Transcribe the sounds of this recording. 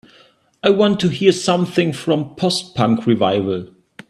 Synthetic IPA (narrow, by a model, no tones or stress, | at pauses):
aɪwɑ̃ntʰɨɦiɹsʌ̃mθɪ̃ŋfɹʌ̃mpʰɔstpʰʌ̃ŋkʰɹivaɪvəlˠ